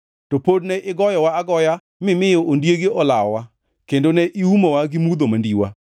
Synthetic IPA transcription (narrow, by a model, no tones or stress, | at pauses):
topodnɛʔɪɡɔjɔwaːɡɔja | mɪmɪjɔʔondjeɡeɔlaɔwa | kendonɛʔiumɔwaɡɪmud̪omandiwa̰